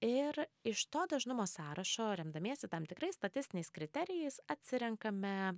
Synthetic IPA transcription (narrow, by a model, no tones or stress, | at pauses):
ɪɾɪʃt̪oːd̪ɐʒnʊmoːsɑːɾɐʃoːɾʲɛmd̪ɐmʲeːsʲɛt̪ɐmt̪ʲɪkɾɐɪsst̪ɐt̪ʲɪsʲt̪ʲɪnʲɛɪskɾʲɪt̪ʲɛɾʲɪjɛɪsɐt̪ʲsʲɪɾʲɛŋkɐmʲɛ